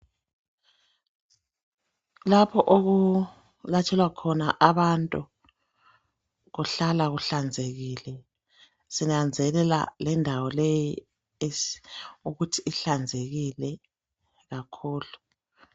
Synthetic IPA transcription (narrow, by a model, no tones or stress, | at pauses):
lapʰɔʔoɣu | latʰɛlwakʰɔnaʔaβantʼu | ɣuɬalaɣuɬand͡zʱeɣiːlɛ | sinand͡zʱɛlɛla̰lɛndʱawɔleji | e | uɣutʰiːɬand͡zʱeɣilɛ | ɣakʰuːlu